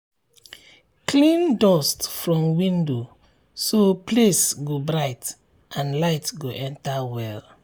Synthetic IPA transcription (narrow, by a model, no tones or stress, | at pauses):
klĩndɔstfɹɔ̃mwĩndo | soplesɡobɹaɪt | ʔãnlaɪtɡoʔɛ̃ntawɛl